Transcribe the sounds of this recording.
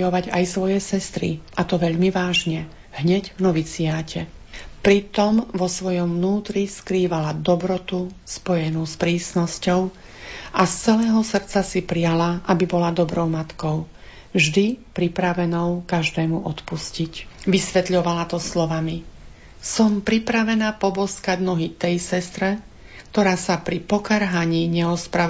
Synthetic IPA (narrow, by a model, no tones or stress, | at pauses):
jɔʋaɟajsʋɔjɛsɛst̪ɾḭʔat̪ɔʋɛʎmiʋaːʒɲɛ | ɦɲɛɟvnɔʋit͡siaːcɛ | pɾit̪ɔmʋɔsʋɔjɔmvnuːt̪ɾiskɾiːʋalad̪ɔbɾɔt̪uspɔjɛnuspɾiːsnɔscɔʊ | ʔast͡sɛlɛːɦɔsr̩t͡sasipɾijalaʔabibɔlad̪ɔbɾɔʊmat̪kɔʊ | vʒd̪ipɾipɾaʋɛnɔʊkaʒd̪ɛːmuʔɔt̪puscicʋisʋɛt̪ʎɔʋalat̪ɔslɔʋami | sɔmpɾipɾaʋɛnaːpɔbɔskaɟnɔɦit̪ɛjsɛst̪ɾɛ | k̚t̪ɔɾaːsapɾipɔkaɾɦaɲiːɲɛɔspɾa